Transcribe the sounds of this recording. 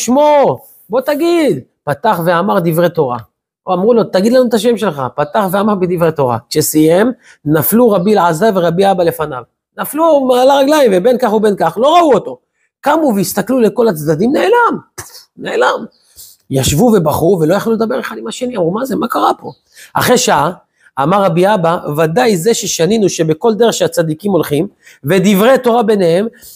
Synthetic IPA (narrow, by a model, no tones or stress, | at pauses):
ʃmo̞ | bo̞t̪aɡid̪ | pat̪aχve̞amaʁd̪ivʁe̞t̪o̞ʁa̰ | oamʁulo̞t̪aɡid̪lanut̪aʃ̬e̞mʃe̞lχapat̪aχveamaʁbed̪ivʁet̪o̞ʁa̰kʃesije̞m | nafluʁabilʕazaveʁabiabale̞fana̰v | naflumalaʁaɡlaimvebe̞nkaχube̞nkaχlo̞ʁauo̞t̪o̞ | kamuveist̪aklule̞ko̞lat͡sd̪ad̪imneelamneelam | jaʃvuve̞baχuve̞lo̞jaχluled̪abe̞ʁeχad̪imaʃe̞niamʁumaze̞makaʁapo̞̰ | a̰χe̞ʃaʔa | amaʁːabiabavad̪ajze̞ʃe̞ʃaninuʃe̞beko̞ld̪e̞ʁeχʃeat͡sad̪ikimo̞lχim | ve̞d̪ivʁe̞t̪o̞ʁabe̞nehe̞m